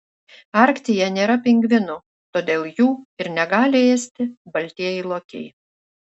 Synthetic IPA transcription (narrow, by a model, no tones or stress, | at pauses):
ɐɾʲkt̪ʲɪjɛnʲeːɾɐpʲɪŋʲɡʋʲɪnʊ | t̪oːd̪ʲeːlˠjuːɪɾnʲɛɡɑːlʲɪeːsʲt̪ʲɪbɐlʲt̪ʲiɛjɛɪlˠoːkʲɛ̰ɪ